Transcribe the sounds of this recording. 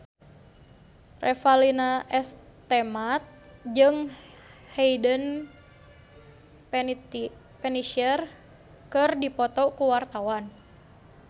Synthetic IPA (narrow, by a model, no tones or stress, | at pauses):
rʔɛfalinaʔɛst̪ɛmat̪̚d͡ʒɨŋ | heidən | pɛniʃər | kɨrdipɔt̪ɔkuwart̪awan